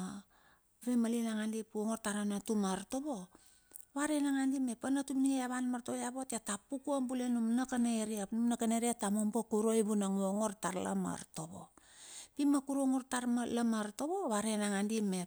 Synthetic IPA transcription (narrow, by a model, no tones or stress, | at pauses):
βemalinaŋandipuoŋo̞rtaɾanatumaɾto̞βo̞ | βaɾenaŋandime̞panatumnieaβanmaɾtoβjaβo̞tatapukuambulenumnakanaeɾiapnumnakaneɾiatamombokuɾojβunaŋoŋo̞ɾtaɾla̰ma̰ɾtoβo̞̰pimakuɾoŋoɾtaɾmalamaɾto̞βo̞βaɾenaŋandime̞